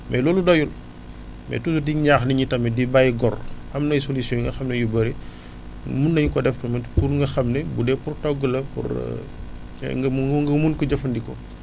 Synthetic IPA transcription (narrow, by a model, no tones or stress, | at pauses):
mɛlɔːludɔjul | mɛ̰tusudiɲaːxniɲitɐmɛdibajɡɔrɐmnɐjsolisjɔ̃ŋɡɐxɐmnɛjubɐɾi | munːɐɲukɔdɛftɐmɐpuɾŋɡɐxɐmnɛbudɛpurtɔɡːəlɐpṵr̰ | ŋɡɐmuŋɡɐmunkuɟɐfɐndikɔ̰